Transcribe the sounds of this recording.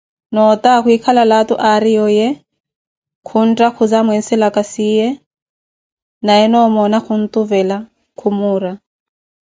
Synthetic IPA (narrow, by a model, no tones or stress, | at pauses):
nɔt̪akuikʰalalatuʔaɾijɔjɛ | kʰun̩tʼakʰud͡zamwɛn̩sɛlakʼasijɛ | najɛnɔmɔnakʰun̩t̪ʼuvɛla | kʰumuːɾa